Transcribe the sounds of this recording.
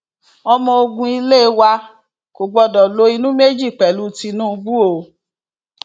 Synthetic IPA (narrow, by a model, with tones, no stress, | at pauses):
ɔ˧mɔ̃˧o˧ɡũ˧i˧le˦˧˦wa˧ | ko˨ɡ͡bɔ˧dɔ˨lo˧˦i˧nũ˦me˦d͡ʒi˦˨k͡pɛ˨lu˦ti˧nũ˦˧ɡ͡bu˦o˨